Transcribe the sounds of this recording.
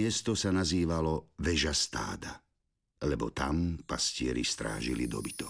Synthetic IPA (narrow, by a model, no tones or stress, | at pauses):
ɪɛst̪ɔsanaziːʋalɔʋɛʒast̪a̰ːd̪a | lɛbɔ̰t̪ampascɪɛɾist̪ɾa̰ːʒilid̪ɔ̰bit̪ɔ